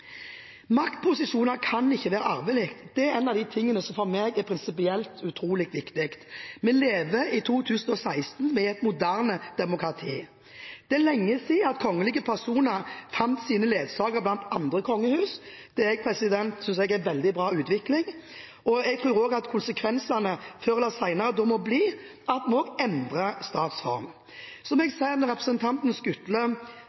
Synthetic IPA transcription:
mɑkt̪̚pʰʊsɪʃuːnəɾkʰɑnɪçːəʋæːɾəɑɾbæɪlɪkt̪d̪̥ɛæɾɛnɑʋd̪ɪt̪ʰɪŋːənəsɔmfɔɾmeːɡɛpʰɾɪnsɪp̬ɪɛlt̪ʉt̪ʰɾuːlɪkt̪ʋɪkt̪ɪkt̪mɛleːʋəɪt̪ʰuːt̪ʰʉːsn̩ɔsæɪst̪nmɛɛt̪mʊd̪æʁnəd̪̥ɛmʊkɾɑt̪ʰiː | d̪̥ɛlɛŋːəsɪɑt̪kʰɔŋːəliːɡəpʰæɾsuːnəɾfɑnt̪siːnəleːd̪sɑːɡəɾblɑnt̪ɑnd̪ɾəkʰɔŋːəhʉːsd̪̥ɛɛɡ̚pʰɾɛsɪd̪ɛnt̪sʏnsɛɡɛnʋɛld̪ɪbɾɑːʉːt̪ʋɪklɪŋ | ɔɛɡt̪ʰʁʉːɾoːɡɑt̪kʰʊnsəkʰʋɛnsɑnəføɾlɑsæɪnɑɾəd̪ɔmɔbliː | ɑt̪mɔːɡɛnd̪ʁəst̪ɑːt̪sfɔ̰ɾm | sɔmɛɡsæɪnʁɛpɾəsɛnt̪ʰɑnt̪n̩skʉt̪lə

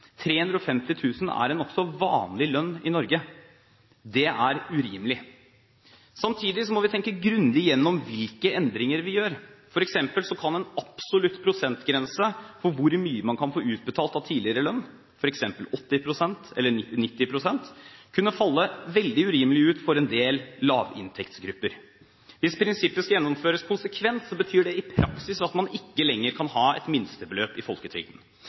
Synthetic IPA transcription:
t̪ʰɾeːhʉnd̪ɾɔfɛmt̪ɪt̪ʰʉːsn̩æ̰ɾɛnɔksɔʋɑ̰ːnlɪlœnːɪnɔɾɡə | d̪ɛʔæɾʉɾiːmlɪ | sɑmt̪ʰiːd̪ɪsɔmɔʋɪt̪ʰɛŋkəɡɾʉnd̪ɪjɛnːɔmʋɪlkəɛnd̪ɾɪŋəɾʋɪjøːɾfɔɾɛksɛmpəlsɔkʰɑnɛnɑpsɔlʉt̪ːpʰɾʊsɛnt̪ɡɾɛnsəfɔɾʋʊɾmyːəmɑnkʰɑnfoːʉːt̪̚bət̪ʰɑːlt̪ɑʋt̪ʰiːlɪəɾəlœnː | fɔɾɛksɛmpəlɔt̪ːɪpʰɾʊsɛnt̪ɛ̰lːəɪnɪt̪ːɪpʰɾʊsɛnt̪kʰʉnːəfɑlːəʋɛld̪ɪʉɾiːməlɪʉːt̪fɔɾɛnd̪eːlːɑːʋɪ̰nt̪ʰɛkt̪sɡɾʉpːəɾ | ʋɪspʰɾɪnsɪpːəskɑjɛnːɔmføːɾəskʰʊnsəkʰʋɛnssɔbət̪ʰyːɖɛɪpʰɾɑksɪsɑt̪mɑnɪkːəlɛŋːəɾkʰɑnhɑːɛ̰t̪mɪnst̪əbəløːpɪfɔlkət̪ʰɾʏ̰ːɡən̩

